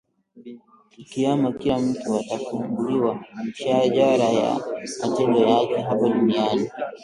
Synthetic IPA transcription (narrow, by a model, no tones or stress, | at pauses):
ikiamakilam̩tuatafumbuliwaʃaʄaɾaja̰matɛndɔjakɛɦapaɗuniani